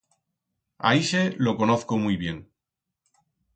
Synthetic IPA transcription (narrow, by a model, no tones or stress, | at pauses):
a̰iʃelo̞ko̞noθkomujβje̞n